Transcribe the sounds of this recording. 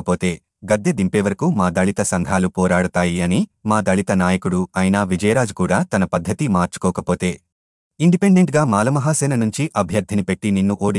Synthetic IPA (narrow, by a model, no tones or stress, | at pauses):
ɐpo̞ːt̪e̞ː | ɡɐd̪ʱjɐd̪impeːʋɐɾɐkumaːd̪ɐɭit̪ɐsɐŋɡʱaːlupɔːɾaːɽut̪aːjiɐnimaːd̪ɐɭit̪ɐnaːjɐkuɽuɐjnaːʋid͡ʒɐjɾaːd͡ʒukuːɽaːt̪ɐnɐpɐd̪ʱːɐt̪imaːɾt͡ʃu̥kɔːkɐpo̞ːt̪e̞ː | iɳɖipeɳɖe̞ɳʈɡaːmaːlɐmɐɦaːsɛːnɐnuɲt͡ʃiʔɐbʱjɐɾd̪ʱɐnipe̞ʈːininːuʔoːɽi